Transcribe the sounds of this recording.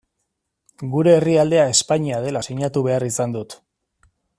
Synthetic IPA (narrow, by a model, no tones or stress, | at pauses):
ɡuɾe̞ːriald̪e̞ae̞spaɲiað̞e̞lasiɲat̪uβe̞arisand̪ut̪